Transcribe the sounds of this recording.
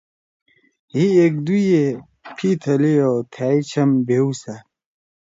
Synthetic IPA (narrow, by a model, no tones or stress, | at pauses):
hiek̚d̪uje | pʰit̪ʰɐliot̪ʰaːit͡ɕʰɐmbeusa